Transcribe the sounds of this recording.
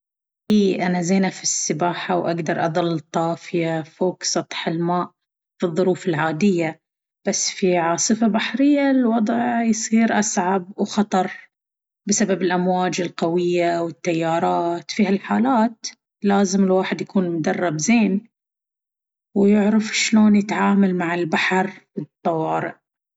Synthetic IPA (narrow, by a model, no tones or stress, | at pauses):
ʔiːʔanazeːnafisːɪbaːħawʔaɡd̪ɑɾˤʔɑ̰ðˤɑlːɨt̪ˤːɑːfɪjafoːksˤɑt̪ˤħɪlmaːʔ | fɨðˤːʊɾuːfɪlʕaːd̪ɪjːa | b̥asːfiʕɑːsˤɨfabaħɾɪjːalwɑd̪ˤʕjsˤiːɾʔasʕab̚wxɑt̪ˤɑɾˤ | bɪsababɪlʔamwaːd͡ʒɪlqawɪjːawɪt̪ːajːɑːɾˤɑːt̪fiːhalħaːlaːt̪ | laːzɪmɪlwaːħɪd̪jakuːnmʊd̪ɑrˤːɑbzeːn | wjʊʕɾɑfʃloːnjɪt̪ʕaːmalmaʕɪlbaħɾfit̪ˤːɑwɑːɾɪ̰ʔ